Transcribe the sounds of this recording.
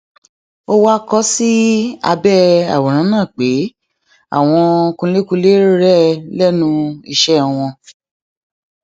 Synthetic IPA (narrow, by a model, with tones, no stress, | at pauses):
o˦wa˦kɔ˦si˦a̰˧bɛ˦a̰˨wɔ˨ɾ̃ã˨˦nãː˦˨k͡pe˨˦ | a̰˦˨w̃ɔ̃˧kũ˧˦le˦ku˧˦le˦ɾɾɛ˦lɛ˦nũ˧i˧ʃɛ˦ɔ˨w̃ɔ̃˧